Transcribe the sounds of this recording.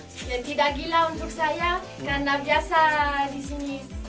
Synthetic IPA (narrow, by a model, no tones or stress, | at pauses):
et̪idaɡilaund͡ʒuksaja | kanabjasad̪isini